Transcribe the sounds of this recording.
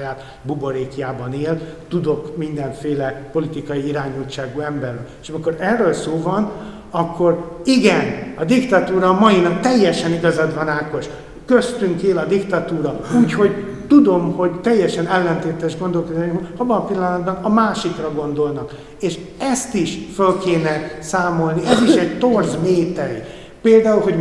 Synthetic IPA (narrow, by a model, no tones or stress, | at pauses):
jaːt̪ | bubo̞ɾeːkijaːbɒneːlt̪ud̪o̞kmind̪ɛɱfeːlɛpo̞lit̪ikɒjiiɾaːɲuːt͡ʃːaːɡuːɛmbɛrːø̰leʃɒmiko̞ɾɛrːølsoːvɒn | ɒkːo̞riɡɛnɒd̪ikt̪ɒt̪uːɾɒːmɒjinɒk̚t̪ɛjːɛʃɛniɡɒzɒd̪vɒnaːko̞ʃ | køst̪yŋkeːlɒd̪ikt̪ɒt̪uːɾɒuːcho̞ɟ | t̪ud̪o̞mho̞ɟt̪ɛjːɛʃɛnɛlːɛnt̪eːt̪ɛʒɡo̞nd̪o̞lkod̪aːʃkmɒbːɒnɒpilːɒnɒd̪̚bɒnɒmaːʃikrɒɡo̞nd̪o̞lnɒk | eːʃ | ɛst̪iʃfølkeːnɛsaːmo̞lniɛziʃɛɟt̪o̞rzmeːt̪ɛji | peːld̪aːulɦo̞ɟ